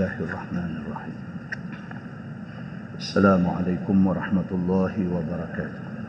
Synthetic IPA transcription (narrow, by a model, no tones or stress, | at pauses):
aːhɪʔɑrˤːɑħmaːnʔɑrˤːɑħḭːm | ʔasːalaːmʊʕa̰lajkʊmwɑɾˤɑħmat̪ʊlˤːɑːhɪwabɑɾˤɑkaːt̪ʊ̥h